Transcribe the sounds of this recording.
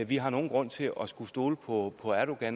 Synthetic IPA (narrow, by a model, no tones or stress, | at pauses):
ʋiɦɑ̈no̝ːn̩ɡ̥ʁɔ̽n̰t͡sʰe̝lɒsɡ̥usd̥o̝ːləpʰɒ̽pʰɒ̽æɾ̥o̝ɡ̥æn